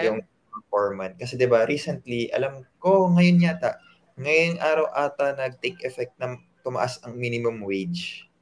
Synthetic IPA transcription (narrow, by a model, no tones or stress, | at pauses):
jʊŋ | pɛfoɹmɐn̚kɐsɛd̪ɪbaɾiːsɛnt̪liʔɐ̰lɐmko̞ŋɐjonɲaːt̪aʔ | ŋɐjoŋʔaːɾɐwʔaːt̪ɐnɐɡ̚t̪ejkʔɛfɛk̚t̪̚nɐ | t̪ʊmɐʔasɐŋmiːnɪmʊmwejd͡ʒ